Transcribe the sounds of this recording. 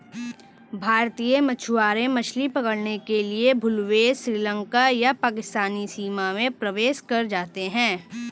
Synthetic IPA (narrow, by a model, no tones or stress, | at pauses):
bʱaːɾt̪iːəmɐt͡ʃʰʊaːɾẽmɐt͡ʃʰlipɐkəɽnekeliebʱʊlwesɾiːlə̃ŋkajapaːkɪst̪aːnisiːmamẽpɾɐʋeːʃkɐɾd͡ʒaːt̪eɦɛ̃ː